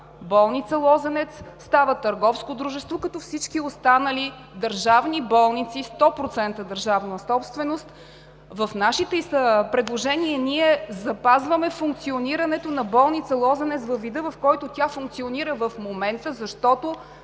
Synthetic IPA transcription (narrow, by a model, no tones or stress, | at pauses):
bɔlˠnit̪səlˠɔzɛnɛt̪sst̪avət̪əɾɡɔfskod̪ɾuʒɛst̪vokɐt̪ɔfsit͡ʃkiost̪anəli | d̪əɾʒavnibɔlˠnit̪sist̪ɔpɾot̪sɛnt̪əd̪əɾʒavnəəsɔpst̪vɛnost̪ | vəfnaʃit̪ɛisəpɾɛd̪lˠoʒɛniɛniɛzɐpazvəmɛfuŋk̚t̪sioniɾɐnɛt̪onɐbɔlˠnit̪səlˠɔzɛnɛt̪svɐfvːid̪ɤvɐfkɔjt̪ot̪ʲjafuŋk̚t̪sioniɾəvəfmomɛnt̪əzɐʃt̪ɔt̪o